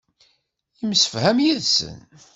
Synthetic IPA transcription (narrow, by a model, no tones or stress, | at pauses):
jimsə̥fhæmjiðsə̰n